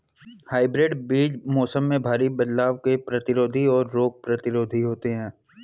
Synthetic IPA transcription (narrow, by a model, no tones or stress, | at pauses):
haːɪbɾeːɖbiːd͡ʒmɔːsəmːẽbʱaːɾibɐd̪laːʋkepɾɐt̪ɪɾoːd̪ʱiɔːɾːoːɡ̚pɾɐt̪ɪɾoːd̪ʱiɦoːt̪eɦɛ̃ː